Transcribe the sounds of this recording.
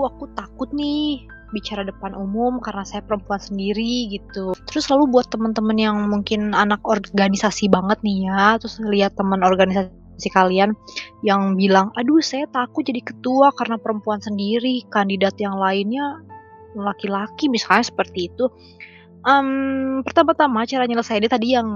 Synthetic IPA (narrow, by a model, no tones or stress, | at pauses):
kuakut̪akʊt̪̚nɪ | bit͡ʃaɾadəpanʔumʊmkaɾənasajapəɾəmpuansəndiɾiɡit̪ut̪əɾʊsːəlalubuat̪ːəmənt̪əmənjaŋmuŋkɪnanakorɡanisasibaŋət̪̚nɪhjat̪ɾʊsliɦat̪ːəmənorɡanisa | sikalianjaŋbilaŋadusajat̪akʊd͡ʒadikə̥t̪uakaɾənapəɾəmpuansəndiɾikandidat̪jaŋlaɪnɲa | lakilakimisalɲasə̥pərt̪iːt̪u | ʔəmpərt̪amart̪amat͡ʃaɾaɲaləsajanat̪adijaŋ